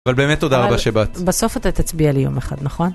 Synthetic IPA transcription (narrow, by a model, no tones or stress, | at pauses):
valbe̞ːmet̪ːo̞daʁabaʃebat̪beso̞fat̪at̪at͡sbialijo̞̰meχa̰d̪naχo̞n